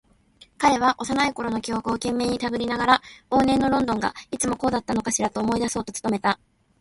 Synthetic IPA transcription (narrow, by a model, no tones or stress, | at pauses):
kaɾe̞β̞aʔo̞sanaiko̞ɾo̞no̞kʲo̞ːkɯokẽ̞mːe̞ːɲ̟it̪abɯ̟ɾʲinaɡaɾao̞ːnẽ̞nːo̞ɾõ̞nd̪õ̞ŋɡa̰it͡sɨmo̞ko̞ːd̪at̪ːano̞kaɕiɾat̪o̞ːmo̞id̪aso̞ːt̪o̞t͡sɨ̥t̪o̞me̞t̪a